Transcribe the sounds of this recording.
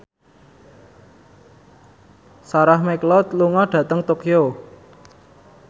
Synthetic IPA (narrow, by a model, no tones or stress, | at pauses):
saɾahmɛklɔt̪luŋɔɖ̥ä̤t̪əŋt̪okjo